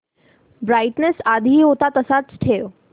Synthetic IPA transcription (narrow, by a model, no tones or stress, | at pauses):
bɾajʈnesad̪ʱiot̪at̪əsat̪sʈʰeːo